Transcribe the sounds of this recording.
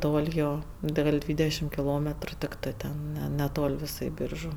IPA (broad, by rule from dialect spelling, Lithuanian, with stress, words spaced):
ˈtoːlʲ ˈjoː dɐ ˈɡɐlʲ ˈdʲʋʲiːdʲɛʃʲɪm kʲɪˈlˠoːmʲɛtrʊ tʲɪkˈtɜ ˈtʲɛn nʲɛ nʲɛˈtoːlʲ ˈʋʲɪsɐɪ ˈbʲiːrʒʊ